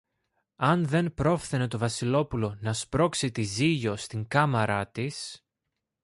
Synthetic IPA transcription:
ɐnðe̞npɾo̞fθene̞t̪o̞vɐsilo̞pulo̞nɐspɾo̞ksit̪iziʝo̞st̪iŋkɐmɐɾɐt̪is

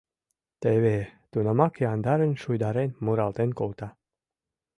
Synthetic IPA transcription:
t̪eβet̪unəmɑkeɑnd̪ɑɾə̆nʲʃujd̪ɑɾenmuɾɑlˠt̪enkolˠt̪ɑ

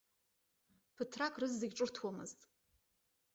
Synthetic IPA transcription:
pʰɨtʰrakʼrɨzːɨɡʲʈ͡ʂʼɨrtʰwamɨ̰ztʼ

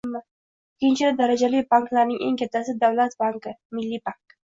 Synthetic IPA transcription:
mːa | kʲʰːɪnt͡ʃʰɪlɪd̪aɾad͡ʒalɪjbaŋklaɾnɪŋʔeŋkʲʰat̪ʰːasɪd̪awlat̪baŋkɪmɪlːibaŋk

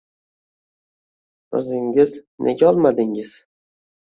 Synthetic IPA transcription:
ɵ̰zɪŋʲɪznʔḛɡʲaɒlˠmad̪ɪŋɪz̥

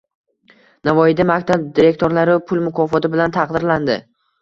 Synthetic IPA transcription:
navɒjɪd̪amakʲt̪ʰab̚d̪iɾe̞k̚ʲt̪ʰoɾlaɾɪpʰʊlˠmʊkʰɒfɒt̪ɪbɪlant̪ʰɑqd̪ɪɾland̪ɪ̰

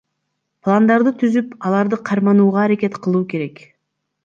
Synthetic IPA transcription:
plˠand̪ɑɾd̪ɯt̪ʰyzypɑlˠɑɾd̪ɯqʰɑɾmɑnuːʁɑːɾake̞t̪qʰɯlˠuːke̞ɾe̞k

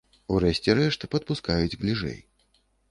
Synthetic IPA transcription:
uɾɛɕʲt͡sʲɛɾɛʂt̪ɨpɐt̪̚puskajud͡zʲblʲiʐɛ̰j

